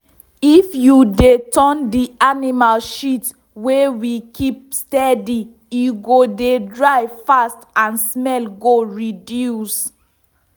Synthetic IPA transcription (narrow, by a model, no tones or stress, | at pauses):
ifjudetɔ̃ndianimalʃit | wewikʰip̚stɛdi | juɡodedɹaɪvfastãnsmɛlɡoɹidjus